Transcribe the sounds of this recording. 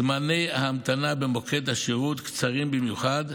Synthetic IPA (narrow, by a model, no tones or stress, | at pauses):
mane̞jhamt̪anabemo̞kʰe̞t̪haʃiʁut̪kt͡saʁimbimjuχad̪